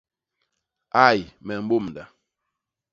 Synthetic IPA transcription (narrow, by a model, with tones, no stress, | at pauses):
a˦˨jmɛ˨m̩˦bo˦˨mda˨